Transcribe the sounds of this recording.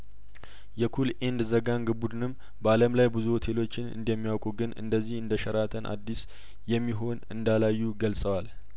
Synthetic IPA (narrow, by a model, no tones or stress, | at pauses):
jɛkʰulʔend̪zəɡanɡɨbud̪ɨnɨm | baləmlajbɨzuhot̪ʰe̞lo̞t͡ʃːɪnɨ̰nd̪ɛmːijawkʼuɡɨnɨ̰nd̪əzːihɨnd̪əʃəɾat̪ʰənʔa̰d̪ːis | jɛmːiɦo̞nɨnd̪alajːuɡəlsʼəwal